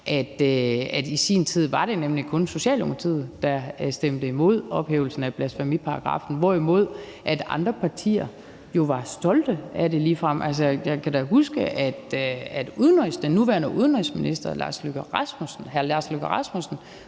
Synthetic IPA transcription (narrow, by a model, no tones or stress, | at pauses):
ʔæd̥øæd̥isḭːnt͡sʰið̞̰ˠʋɑ̈ɾ̥e̝nemlikʰɔ̽nso̝ɕɛ̰ːlom̥ot͡sʰiðˠd̥ɑsd̥emd̥əimo̝ð̞̰ˠɒ̽b̥hḛːʊl̩sn̩æb̥læsfæmipʰɑ̈ɑ̈ɡ̥ʁɑ̰̈ːfn̩ʋɒimo̝ð̞̰ˠ | ʔæd̥ɑ̈nd̥ʁɐpʰɑ̈t͡sʰḭːɐ | jo̝ʋɑ̈sd̥ɒ̽ld̥əʔæɾe̝liːfʁɑm̰ʔæls̬əjɑ̈ɪkʰæɾæɦusɡ̥əʔæd̥æd̥uðˠnʁisd̥enːuʋæɐnəʔuð̞ˠən̩ʁisminisd̥ɐlɑ̰̈ːsløɡ̥ʁɑsmusn̩hæɐlɑ̈ːsløɡ̥ɐʁɑ̈smusn̩